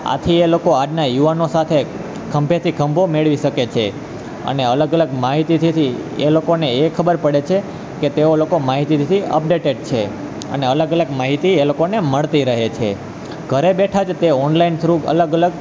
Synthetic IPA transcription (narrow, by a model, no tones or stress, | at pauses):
a̰t̪ʰielokoaɖnajuʋanosat̪ʰe | kʰə̃mbet̪ʰikʰəmbʱomeɭʋiʃəket͡ʃʰe | ə̰neələɡələɡmaɦit̪it̪ʰit̪ʰi | ḛlokoneekʰəbəɾpəɽet͡ʃʰe | ket̪eolokomaɦit̪it̪it̪ʰiə̰p̚ɖeʈeɖt͡ʃʰe | ə̰neələɡələɡmaɦit̪ielokoneməɭt̪iɾəɦet͡ʃʰe | ɡʱəɾebeʈʰad͡ʒt̪eɔnlaint̪ʰəɾũə̰ləɡələɡ